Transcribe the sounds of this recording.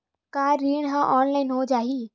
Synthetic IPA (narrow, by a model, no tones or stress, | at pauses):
kaːɾiːɽɦãʔɔːnlaːɪnɦod͡ʒaːɦi